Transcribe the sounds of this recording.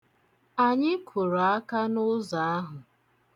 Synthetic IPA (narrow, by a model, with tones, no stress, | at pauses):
a˨ɲɪ˦kʰʊ˨ɾo˨a˦ka˦nʊ˦za˨a˦ɦʊ˨